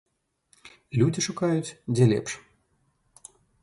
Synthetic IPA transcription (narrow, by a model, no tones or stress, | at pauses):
lʲud͡zʲiʂukajut͡sʲd͡zʲɛlʲɛ̰pʂ